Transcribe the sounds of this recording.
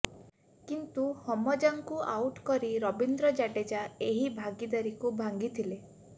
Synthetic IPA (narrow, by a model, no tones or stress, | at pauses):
kint̪uhɔmɔd͡ʒaŋkuʔawʈkɔɾiɾɔbind̪ɾɔd͡ʒaɖed͡ʒaeɦibʱaɡid̪aɾikubʱaŋɡit̪ʰile